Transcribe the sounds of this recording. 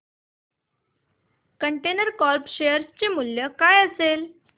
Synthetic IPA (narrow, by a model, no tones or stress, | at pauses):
kəɳʈenəɾkɔlpɕejəɾst͡ɕemuljəkajəsel